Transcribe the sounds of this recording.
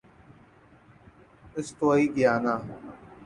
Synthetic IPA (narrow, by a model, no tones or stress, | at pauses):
ɪst̪oːiːɠɪjaːnaː